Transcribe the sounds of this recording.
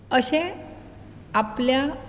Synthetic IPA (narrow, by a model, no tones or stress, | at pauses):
əɕẽ | aplja